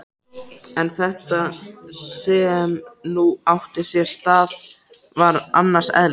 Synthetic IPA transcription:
ɛnθɛht̪asɛmnuawht̪ɪsjɛɾ̥st̪aːð | vaɾa̰nːaɾ̥sɛ̰ðl

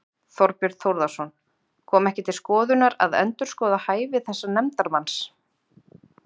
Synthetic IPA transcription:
θɔɾpʏɾθowɾðasɔn | kʰɔːmɛhcɪt̪ʰɪlskɔːðʏnaɾa̰ðœ̰nt̪ʏɾskɔːðahaːjvɪθɛsːanɛmt̪aɾmans

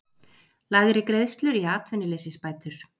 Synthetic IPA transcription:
laːɣɪɾɪkɾeðst̪lʏɾiaːt̪vɪnɪleːsɪspaːjt̪ʏɾ̥

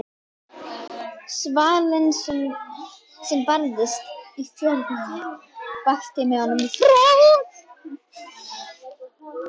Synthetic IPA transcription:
svaːlɪns | sɛmpaɾðɪst̪iθjœɾt̪na | paht̪ɪmɛhɔnːʏmifɾɛːθ

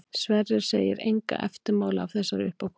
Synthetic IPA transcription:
svɛrːɪɾ̥seːjɪɾejŋka̰ʔɛft̪ɪɾmaːwlaawvθɛsːaɾʏhpawk

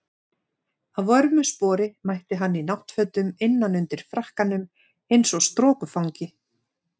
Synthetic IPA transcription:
aðvɔɾmʏspɔːɾɪmajht̪ɪɦanːinawht̪fœt̪ʏmɪnːanʏnt̪ɪɾ̥fɾahkanʏm | ejnsɔɣst̪ɾɔːkʏfawɲcɪ

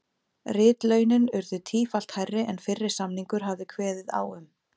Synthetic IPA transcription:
rɪːt̪lœɥnʏnʏɾðʏt̪ʰiːfal̥t̪hajrːɪʔɛnfɪrːɪɾ̥samniŋkʏɾ̥ɦavðɪkʰvɛːðɪða̰wʏm

